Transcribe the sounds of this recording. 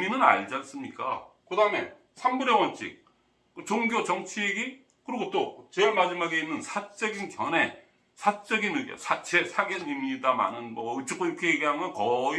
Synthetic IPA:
minɯna̰ɭd͡ʑans͈ɯmɲik͈akɯdaɦɯme | sʰambuɾjʌwʌnt͡ɕ͈ʰḭk̚ | ɯt͡ɕoŋɡjot͡ɕʌŋt͡ɕʰieɡi | kɯɾiɡot͈ot͡ɕemad͡ʑimaɡeinːɯnsʰat͡ɕ͈ʌɡinkjʌne̞ | sʰat͡ɕ͈ʌɡinɯɡjʌ̰sʰat͡ɕe̞sʰaɡʌɲimɲidama̰nɯnmʌɯt͡ɕ͈ʰok͈oiɾʌkʰe̞jeɡiɦamʌnkʌi

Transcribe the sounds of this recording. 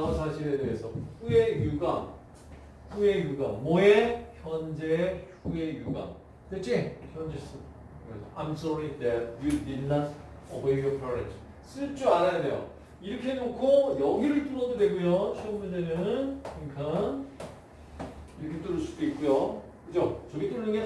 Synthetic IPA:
aasʰaɕʰiɾe̞de̞ɦesʰʌɸuje̞juɡam | ɸue̞juɡamoeçjʌnd͡ʑehue̞juɡa̰m | tet͡ɕeçjʌnd͡ʑes͈ɯ | kɯɾesʰʌajmsʌɹidɛt̚judidnat̚ | ʌwejopʰʌɾḛd͡ʑ | s͈ɯɭt͡ɕ͈uaɾajade̞̰jo̰ | iɾʌkʰeenokʰojʌɡiɾɯɭt͈unʌdode̞ɡujot͡ɕʰeʌmjundenɯnkɯɲikʰan | iɾʌkʰet͈uɾɯɭsʰud̥̪oit̚k͈ujo | kɯd͡ʑot͡ɕʌɡit͈uɾnɯŋɡe

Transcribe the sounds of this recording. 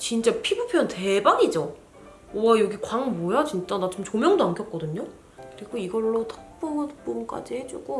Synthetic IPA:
t͡ɕint͡ɕ͈apʰibupʰjʌnte̞baɲid͡ʑo | jʌɡikwaŋmojat͡ɕint͡ɕ͈anat͡ɕomt͡ɕomjʌŋdoankʰjʌt̚k͈ʌdɯɲo | kɯɾiɡoiɡʌɭːotʰʌk̚p͈umɯp͈uɾk͈a̰d͡ʑihe̞d͡ʑuɡo

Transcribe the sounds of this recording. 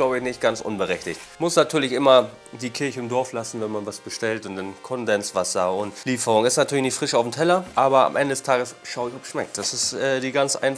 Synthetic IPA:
laʊbəɪçnɪçt̚ɡ̥ansʔʊ̰nbəʁɛçtɪçt | mʊsnatʰyːɐlɪçʔɪmɐ | diːkʰɪɐçəɪmdɔɐflasn̩vɛnmanvasb̥əʃtɛltʊntd̥ankʰɔndɛnsv̥asɐʊntliːfəʁʊŋɪstnatʰyːɐlɪçnɪçtfʁ̥ɪʃaʊfm̩tʰɛlɐʔaːbɐa̰mʔɛ̰ndədɛstʰaːɡəsʃaʊɪçɔpsʃmɛk̚t̚d̥asɪstɛːdiːɡant͡sʔa̰ɪn

